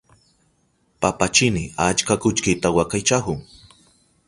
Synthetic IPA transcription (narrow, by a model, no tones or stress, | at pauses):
papat͡ʃɪnɪat͡ʃkakʊt͡ʃkɪt̪awakajt͡ʃahʊŋ